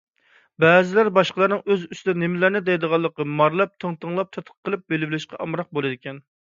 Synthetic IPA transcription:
bɛːzɪlæɾbɑʃqlˠɑɾnɨŋøzyst̪ɪd̪ɛnemɪlæɾnɪd̪ɛjd̪əʁɑlˠːəqəmɑɾlˠɑp̚t̪ʰəŋt̪əŋlˠɑp̚t̪ʰɑt̪ʰəqʰːəlˠɨp̚belɪbɪlɪʃqɑʔɑmɾɑq̚bolˠɨd̪ɪkʲʰɛn

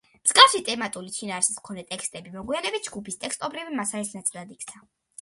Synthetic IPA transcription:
mz̥ɡafʃit̪ʼɛmat̪ʼulit͡ʃʰinaːɾsi̥smkʰɔnd̪ɛt̪ʼɛkʰst̪ʼɛbimɔɡwianɛbit̪̚ʰd͡ʒɡupʰist̪ʼɛkst̪ʼɔbɾivimasalisnat̪sʼilˠad̪ik̚ʰt̪sʰa

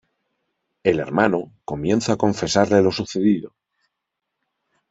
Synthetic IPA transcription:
e̞le̞̰ɾmanoko̞mjẽ̞nθaakõ̞ɱfe̞saɾle̞lo̞suθe̞ðiðo

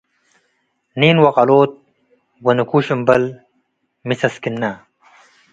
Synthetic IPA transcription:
niːnwɐqɐloːt̪̚ | wɐnukuːɕumbɐl | misɐskinːa

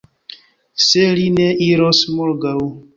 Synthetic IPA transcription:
selineʔiɾosmolɡaw

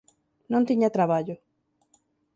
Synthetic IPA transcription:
nõnt̪iɲat̪ɾaβaʎo

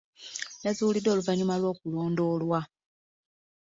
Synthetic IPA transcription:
nazuulido̞ːluvaɲumalwo̞ːkulo̞ːndo̞ːlwa

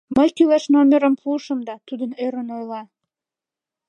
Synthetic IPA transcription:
məjkylæʃnomʲeɾə̆mpluʃə̆md̪ɑt̪ud̪əneɾənojlɑ

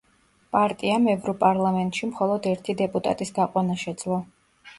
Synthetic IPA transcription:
pʼaɾt̪ʼiamɛvɾɔpʼaɾlˠamɛnt̪ʼʃimχɔlˠɔd̪ɛɾt̪ʰid̪ɛpʼut̪ʼa̰t̪ʼisɡ̪aqʼwanaʃɛd̪z̥lˠɔ

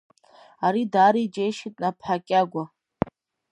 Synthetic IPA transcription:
aɾidaːɾid͡ʒejʃitʼnapʰħakʲʼaɡʷa

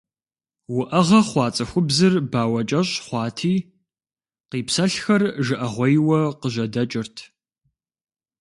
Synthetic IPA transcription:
wʊʔɐʁɐχʷɑːt͡sʼɐxʷʊbzɨrbaːwɐt͡ʃʼɐɕʼχʷɑːtʰiː | qiːpsɐɬxɐrʒɨʔɐʁʷɔjwɐqəʒɐdɐt͡ʃʼɪrtʰ

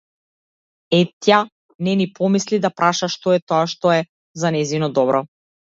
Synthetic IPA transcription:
ɛt̪ja | nɛnipʰɔmislid̪apɾʔaʃaʃt̪ɔɛt̪ɔaʃt̪ɔɛ | zanɛzinɔd̪ɔbɾɔ

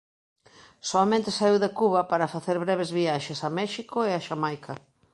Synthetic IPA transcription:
soamẽnt̪esaiwðekuβɐpaɾɐfaθeɾβɾɛβ̞ezβiaʃesamɛʃikoeaʃamajkʰɐ

